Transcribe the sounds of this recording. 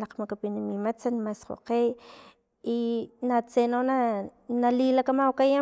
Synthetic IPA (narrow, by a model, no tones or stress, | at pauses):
laqmakapinamimat͡sanmasqo̰qej | inat͡senonanalilakamawkaja